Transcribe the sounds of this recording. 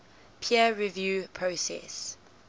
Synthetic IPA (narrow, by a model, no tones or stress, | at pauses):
pʰiəɹivjuːpʰɹosɛ̰s